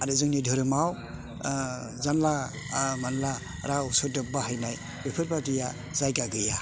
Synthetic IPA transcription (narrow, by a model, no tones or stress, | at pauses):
aɾɯzɯŋnidʱɯɾɯmaw | zanla | manla | ɾausɯdɯp̚baɦajnaj | bepʰɯɾpatija | zajɡaɡɯja